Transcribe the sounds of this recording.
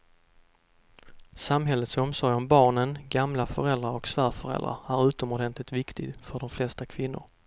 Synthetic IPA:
samɦɛlːət̪sɔmsɔjɔmbɑːɳənɡamlafœɾɛld̪ɾaɾɔksvæːɾfœɾɛ̰ld̪ɾa̰æɾʉ̟ːt̪ɔmɔɖɛnt̪lɪt̪vɪkt̪ʰɪɡfœɖɔmflɛst̪akʰvɪnːʊ̰ɾ

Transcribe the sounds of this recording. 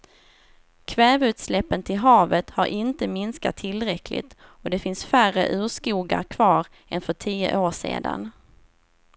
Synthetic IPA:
kʰvɛːvʉ̟ːt̪slɛpːənt̪ʰɪlɦɑːvət̪haɾʔɪnt̪əmɪnska̰t̪ʰːɪlːɾɛkʰlɪ̰t̪ | ɔd̪ɛfɪnsfærə̰ʔʉ̟ːʂkuːɡa̰ɾkʰvɑːɾ | ɛnfœʈʰiːə̰ʔoːʂḛːd̪a̰n

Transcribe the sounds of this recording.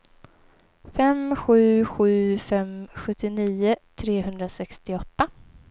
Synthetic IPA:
fɛmɧʉ̟ːɧʉ̟ːfɛmɧɵt̪ːɪniːʊt̪ʰɾeːɦɵnd̪ɾasɛkst̪ɪɔt̪ːa

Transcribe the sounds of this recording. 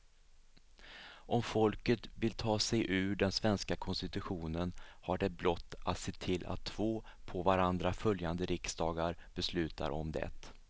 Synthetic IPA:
ʔɔmfɔlkət̪vɪlt̪ʰɑːsɛjʔʉ̟ːɖɛnsvɛnskakʰɔnst̪ɪt̪ɵɧuːnənhaɖɛblɔt̪ːat̪seːt̪ʰɪlːʔa̰t̪ʰːv̥oːpʰɔvaɾand̪ɾafœljand̪əɾɪksd̪ɑːɡaɾb̥ɛslʉ̟ːt̪a̰ɾɔ̰md̪ɛ̰t̪

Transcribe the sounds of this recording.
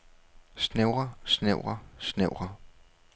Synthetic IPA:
sneʊʁɐsneʊ̰ʁɐsneʊ̰ʁɐ

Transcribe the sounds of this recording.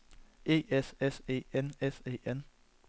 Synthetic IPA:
e̝̰ːesese̝̰ːenesḛːen

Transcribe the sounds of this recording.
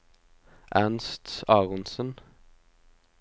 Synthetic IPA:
ʔænst̪ɑːʁɔnsən

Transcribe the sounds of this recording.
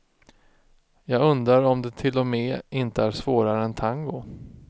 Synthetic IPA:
jɑːɡɵnd̪ɾaɾɔmd̪ɛt̪ʰɪlːɔmɛːʔɪnt̪əæɾʂvoːɾaɾəɛnt̪ʰaŋɡʊ

